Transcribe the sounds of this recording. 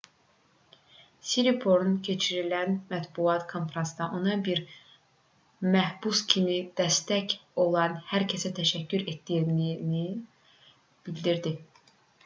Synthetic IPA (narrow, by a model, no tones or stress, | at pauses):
siɾipʰo̞ɾuncʰe̞t͡ʃʰiɾilænmæt̪buɑt̪kʰo̞nfɾɑnsd̪ɑʔo̞nɑbiɾ | mæhbuscʰimid̪̥æst̪æco̞lˠɑnhæɾcʰesæt̪ʰæʃæcːyɾe̞t̪̚d̪ijnini | b̥ild̪iɾd̪i